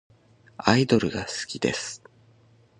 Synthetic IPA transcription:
aid̪o̞ɾɯ̟ɡasɨ̥kʲid̪e̞̰sɨ̥

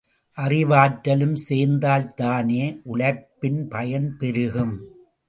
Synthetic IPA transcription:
ʔɐrɪʋaːʈːɐlɯmseːnd̪aːlt̪aːneːʔʊɭɐpːɪnpɐjɐnpɛɾɯɣɯm

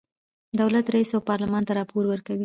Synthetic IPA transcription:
d̪awlat̪ɾaisawpɑɾlamɑnt̪aɾɑpoɾwəɾkawi

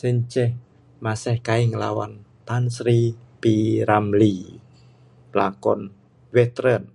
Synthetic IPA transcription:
sɪɲt͡ʃɛh | masɛhkaiŋəlawa̰nt̪ansɾipiɾamli | plakɔ̰n | wɛt̪ɾən

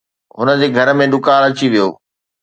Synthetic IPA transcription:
ɦʊnə̆d͡ʑeːɡʱɐɾmẽɗʊkaːlɐt͡ɕiʋijo̰ː

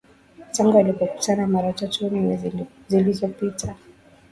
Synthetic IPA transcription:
taŋɡualipɔku̥tʰanamaɾatatuni | zilizɔpita

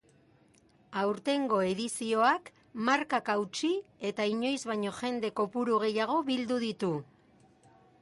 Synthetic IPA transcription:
awɾt̪e̞ŋɡo̞e̞ðisio̞ak | maɾkakawt͡ʃie̞t̪aiɲo̞jzβaɲo̞ʝe̞nd̪e̞ko̞puɾuɣe̞jaɣ̞o̞βild̪uðit̪u

